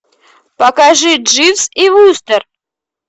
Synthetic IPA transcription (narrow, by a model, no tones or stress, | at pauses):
pɐkaʐɨʐɨfsivust̪ər